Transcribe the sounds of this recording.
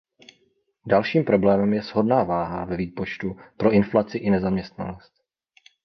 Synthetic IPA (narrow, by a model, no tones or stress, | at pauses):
dalʃiːmpɾo̞blɛːmɛmjɛz̥ɦo̞dnaːvaːɦavɛviːpo̞t͡ʃt̪upɾo̞ʔɪnflat͡sɪʔɪnɛzamɲɛst̪na̰no̞st̪̚